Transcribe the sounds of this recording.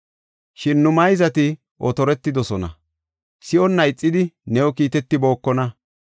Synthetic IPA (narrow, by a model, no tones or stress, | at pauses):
ʃɪnːʊmɐjzɐt̪ɪ | ʔɔ̰t̪ɔɾɛt̪ːɪd̪ɔsɔnɐ̰ | sɪɔnːɐɪt͡sʼːɪd̪ɪnɛwɔkiːt̪ɛt̪ːɪbo̞ːkːɔnɐ